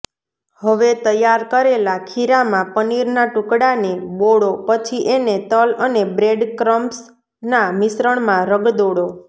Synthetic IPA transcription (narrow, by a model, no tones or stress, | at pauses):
həʋet̪əjaɾkəɾelakʰiɾamãpəniɾnaʈũkɽaneboɽopət͡ʃʰiʔenet̪ələnebɾeɖkɾəms | namɪsɾəɳ̃mãɾəɡd̪oɽo